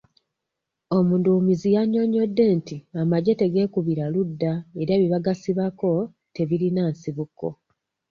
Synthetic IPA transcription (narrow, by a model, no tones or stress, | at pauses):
o̞munduːmizijaɲo̞ɲo̞dːe̞ːntiamaɟe̞te̞ɡe̞ːkuβiɾaludːaeɾaβiβaɡasiβako̞ | te̞βiɾinaːnsiβukːo̞̰